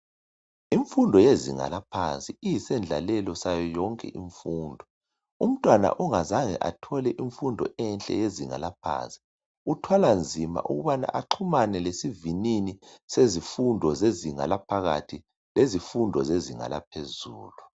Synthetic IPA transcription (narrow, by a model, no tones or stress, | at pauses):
iɱfundʱɔjezḭŋa̰lapʰant͡sʼiijisɛnd͡ɮʱa̰lɛlɔsajɔjɔŋkʼɛ̰ʔiɱfuːndʱɔ | um̩tʼwana̰ʔuŋazaŋɛ̰ʔatʰɔlɛʔiɱfundʱɔ̰ɛnt͡ɬʼɛ̰jeziŋa̰lap̚ʰa̰ːnt͡sʼi̥ | utʰwaland͡zʱima̰ʔṵɣuβana̰ʔaǃʰumanɛlesivininisezifundʱɔzeziŋa̰lapʰaɣa̰tʰi | lezifundʱɔzeziŋa̰lap̚ʰezuːlu